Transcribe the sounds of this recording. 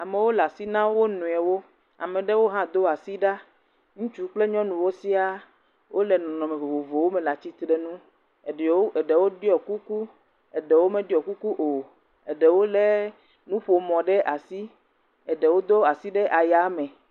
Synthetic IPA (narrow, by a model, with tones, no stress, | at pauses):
a˨me˨wo˦la˨si˦nã˦wo˦nũ˨ɛ˨wo˦ | a̰˨mẽ˨ɖe˦wo˦ɦã˦d̪o˦a˨si˦ɖa˦ | ŋũ˦t͡ʃu˦k͡ple˦ɲɔ̃˦nũ˨wo˦si˦a˦ | wʔo˦lɛ˨nɔ̃˨nɔ̃˨me˨vo˨vo˨vo˨wo˦me˨la˨t͡ɕi˦t̪ɾe˨nũ˦˨˦ | e˨ɖe˨wo˦ɖi˦ɔ˨ku˦ku˦ | ɛ˨ɖɛ˨wo˦mẽ˦ɖi˦ɔ˨ku˦ku˦ʔo˨ | e˨ɖɛ˨wo˦le˦ | nũ˦ɸo˨mɔ̃˨ɖɛ˦ʔa˨si˦ | ɛ˨ɖɛ˨wo˦d̪o˦a˨si˦ɖɛ˦ʔa˨ja˨˦mɛ̃˨